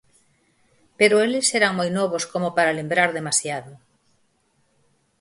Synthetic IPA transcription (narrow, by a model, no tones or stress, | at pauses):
peɾʊelɪseɾaŋmojnɔβ̞oskomopaɾalembɾaɾðemasjaðʊ